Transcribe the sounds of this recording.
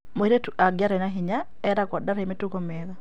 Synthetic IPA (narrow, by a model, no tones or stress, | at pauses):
moiɾetuʔaɡjaɾɛnaɦiɲa | ɛɾakɔdaɾɛmetukɔmɛða